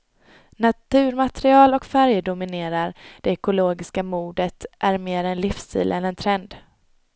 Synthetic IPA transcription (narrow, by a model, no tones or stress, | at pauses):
nat̪ʰʉ̟ːɾmat̪ɾɪɑːlɔkfæɾjd̪ʊmɪneːɾaɾd̪̥ɛɛkʊloːɡɪskamuːd̪ət̪ʔæɾmeːɾɛnlɪfst̪ʰḭːlʔɛnɛnt̪ʰɾɛnd̪